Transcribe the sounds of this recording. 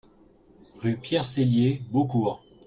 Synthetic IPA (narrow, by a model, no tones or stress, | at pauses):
ʁypjɛʁseljebokuːʁ